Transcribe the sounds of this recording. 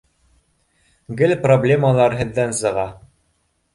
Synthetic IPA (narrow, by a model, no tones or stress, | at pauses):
ɡɘlproblʲeməlˠɑɾɦɘ̆ðːænsɤ̆ʁɑ